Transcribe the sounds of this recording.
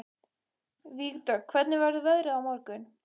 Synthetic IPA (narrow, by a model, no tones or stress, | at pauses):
viːɣt̪œkʰvɛt̪nɪvɛɾðʏðœðɾɪawmɔɾkʏn